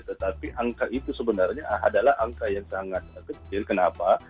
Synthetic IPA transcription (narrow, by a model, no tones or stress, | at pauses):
t̪ət̪apiʔaŋkaʔit̪usəbənarɲaadalahaŋkajaŋsaŋat̪̚əkət͡ʃɪlkənapa